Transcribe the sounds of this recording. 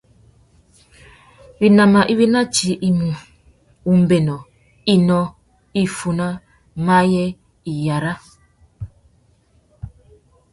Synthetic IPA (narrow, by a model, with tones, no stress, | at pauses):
bi˨na˨ma˨ʔi˦βi˦na˦t͡ʃi˨ʔi˨mu˨ | u˨m̩˨be˨nɔ˨ | i˦nɔ˦ | i˦fu˨na˦ | ma˦jɛ˦ | i˨ja˨ɾa˦